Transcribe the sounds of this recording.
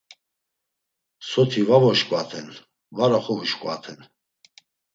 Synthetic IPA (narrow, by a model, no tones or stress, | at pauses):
sɔt̪ʰivavɔʃkʼwat̪ʰɛn | vaɾaχɔviʃkʼat̪ʰɛn